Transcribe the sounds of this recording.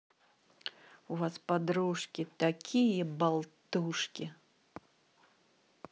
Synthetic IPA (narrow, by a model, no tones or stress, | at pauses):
uvaspad̪ɾuʂkʲit̪akʲʰijɐbalˠt̪uʂkʲi